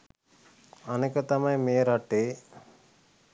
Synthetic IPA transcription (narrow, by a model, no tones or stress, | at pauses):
ɐneːkɐt̪ɐmɐjmeːɾɐʈːeː